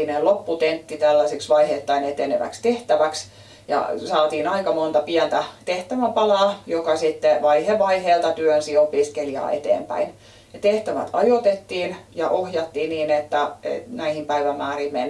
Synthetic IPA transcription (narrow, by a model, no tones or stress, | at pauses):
inelopːut̪ent̪ːit̪ælːæsiksʋɑihet̪ːɑinet̪ːenḛʋæ̰kst̪eht̪æʋæks | jɑ̰sɑːt̪iːnɑikɑmont̪ɑpiænt̪æt̪eht̪æʋæpɑlɑːˑjokɑsit̪ːeʋɑiheʋɑiheːlt̪ɑt̪yønsiopiskeliɑ̰ːḛt̪ḛːmpæ̰in | jɑt̪eht̪æʋæ̰t̪ʰɑjot̪et̪ːiːnjɑʔohjɑt̪ːiːniːnet̪ːæḛnæihimpæiʋæmæːrimmen